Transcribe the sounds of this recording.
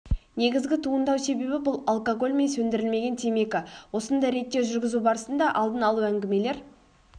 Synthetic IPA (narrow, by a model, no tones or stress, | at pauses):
ne̞ɡʲɪzɡʲɪt̪ʰuənd̪ɑwse̞be̞bɪbʊlˠalˠkoɡo̞lʲme̞nsɵnd̪ɪɾɪlme̞ɡʲe̞nt̪ʰeme̞kʲɪwo̞sənd̪ɑjɾe̞t̪ːe̞ʒʏɾɡʲɪzubɑɾəsənd̪ɑʔɑlˠd̪ənɑlˠuæŋɡʲɪme̞le̞ɾ